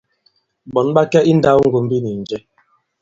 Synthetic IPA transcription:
ɓɔ˨n˦ɓa˦kɛ˦i˦n̩˦da˦wŋ̩˦ɡu˨m̩˦bi˦ni˨n̩˨d͡ʒɛ˦

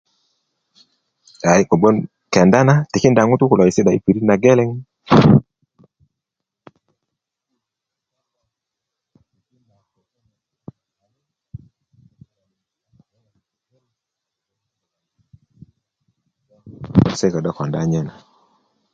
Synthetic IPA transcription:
a˨i˦kɔ˨ɓɔ˦n | kɛ˨nda˦na˦ti˨ki˦nda˨ŋu˦tu˦ku˨la˨i˨sɛ˦ɗa˨i˦pi˨ɾi˦na˨ɡɛ˦lɛ˦ŋ˨˦ | n˨ | sɛ˦ka˨ɗa˦kwa˨nda˦ɲɛ˦na˨

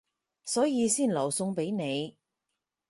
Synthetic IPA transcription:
sɔː˨˥jiː˨˧siː˥˩nlɐ˨˩wsʊ˧ŋpe˨˥jne˨˧j

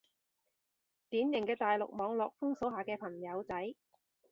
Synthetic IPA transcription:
t̪iː˨˥njɪ˨˩ŋkɛː˧t̪aː˨jlʊ̰˨k̚mɔː˨˧ŋlɔː˨k̚fʊ˥ŋso˨˥wɦaː˨kɛː˧pʰɐ˨˩ŋjɐ˨˧wt͡sɐ˨˥j

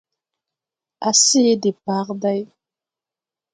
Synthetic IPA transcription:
a˨si˦de˨pa˦qda˦j

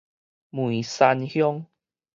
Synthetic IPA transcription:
mwũ˨sa˧nhjɔ˦ŋ

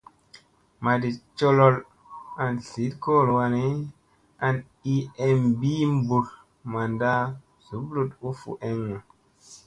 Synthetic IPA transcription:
ma˨di˨t͡ʃo˦lo˦l | a˨nsi˨˦t̚ko˦˨lwa˧ne˦ | a˨n | i˦e˦mbi˦m˦bu˨l | ma˨nda˦ | z̥u˨˦blu˦tu˦fṵ˨ʔe˦ŋːa˨

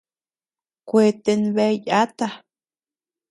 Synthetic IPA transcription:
kʷe˧t̪e˧nβe˧˦ja˦t̪a˧

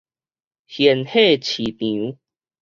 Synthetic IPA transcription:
hjɛ˨˦nhe˥˧˨t͡ɕʰi˨˩t̪ĩ˨u˦

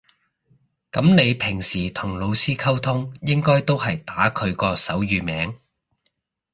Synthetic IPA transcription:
kɐ˨˥mne˨˧jpʰɪ˨˩ŋsiː˨˩t̪ʰʊ˨˩ŋlo˨˧wsiː˥kʰɐ˥wt̪ʰʊ˥ŋjɪ˥ŋkɔː˥jt̪o˥whɐ˨jt̪aː˨˥kʰɵ˨˧ɥkɔː˧sɐ˨˥wjyː˨mɛː˨˥ŋ

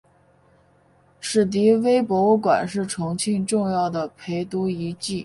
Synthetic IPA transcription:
ʂɻ̩˥˩t̪̬i˧˥we˥ɪpwɔ˧˥u˥˩kwa̰˨˩nʂɻ̩˥˩ʈ͡ʂʰʊ˧˥ŋt͡ɕʰi˥˧nʈ͡ʂʊ˥˧ŋjɑ˥˩ʊd̪ə˩pʰe˧˥ɪt̪u˧˥i˧˥t͡ɕi˥˩

